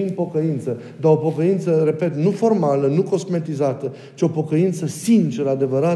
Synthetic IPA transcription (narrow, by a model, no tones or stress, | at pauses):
impo̞kəint̪sə | d̪aopo̞kəint̪səre̞pe̞t̪nufo̞rmalənuko̞sme̞t̪izat̪ə | t͡ʃio̞po̞kəint̪səsint͡ʃeɾəad̪e̞vəɾa